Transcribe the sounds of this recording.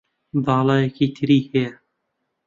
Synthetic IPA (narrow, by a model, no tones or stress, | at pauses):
bɑːlˠɑːjekiːt̪ʰɨɾiːhɛjɛ